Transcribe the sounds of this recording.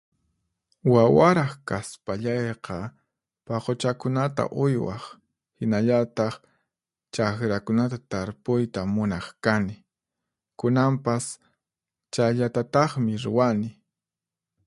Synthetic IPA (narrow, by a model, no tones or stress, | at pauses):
wawaɾɑχkaspaʎɑjqɑ | paqot͡ʃakʊnat̪a̰ʔʊjwɑ̰χ | hɪnaʎat̪ɑχ | t͡ʃakɾakʊnat̪at̪aɾpʊjt̪amʊnɑχkanɪ | kʊnampas | t͡ʃajʎat̪at̪ɑχmɪɾʊwanɪ